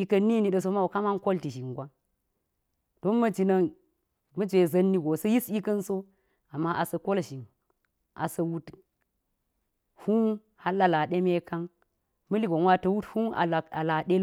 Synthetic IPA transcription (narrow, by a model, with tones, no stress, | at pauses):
i˦kɐ˦nːi˦ni˨ɗɐ˨s̬o˦ma˦˨ka˦ma˦nko˦lti˨ʃi˨ŋɡʷa˦ | d̥o˦nmɐ˦d͡ʒi˨nɐ˨ŋ | mɐ˦d͡ʒʷe˨zɐ˦nːi˦ɡo˨sɐ˦ji˦si˦kɐ˦nso˦ | a˨mːa˦ʔa˨sɐ˨ko˦lʃi˨ŋ | ʔa̰˨sɐ˨wu˦t | hu˦n | ha˦lːa˦la˨ɗe˦me˦ka˦ŋ | mɐ˦li˦ɡo˨nwa˦tɐ˨wu˦thu˦na̰˨a˨a˨la˨ɗe˦